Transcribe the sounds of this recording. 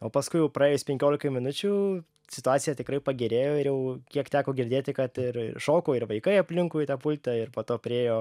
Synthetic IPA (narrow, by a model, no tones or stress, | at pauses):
oːpɐskʊɪjɛʊprɐeːjoːsʲpʲɛŋʲkʲoːlʲɪkɐmʲɪnʊt͡ʃʲuː | sʲɪt̪ʊɑːt̪sʲɪjɛtʲɪkɾɐɪpɐɡʲɪɾʲeːjoːɪɾjɛʊkʲiɛkt̪ʲæːkoːɡʲɪɾʲd̪ʲeːt̪ʲɪkɐt̪ɪrɪ̰ʃoːkoːɪɾʋɐɪkɐɪɐpʲlʲɪŋkuːit̪ɑːpʊlʲt̪ʲɛɪrpoːt̪oːpʲɾʲɪeːjoː